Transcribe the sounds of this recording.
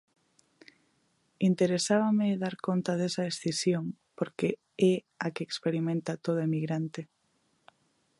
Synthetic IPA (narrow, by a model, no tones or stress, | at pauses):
int̪eɾesaβameðaɾkont̪aðesaesθisjoŋpoɾke | ɛ | akeːkspeɾimẽnt̪at̪oð̞oemiɣɾant̪e